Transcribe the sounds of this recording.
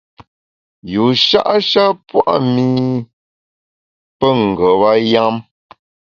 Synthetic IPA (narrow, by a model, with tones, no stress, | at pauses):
ju˨ʃa̰˦ʔʃa˦pwa̰˦ʔmi˦ | pə˦ŋ̩˨ɡə˨wa˦ja˦m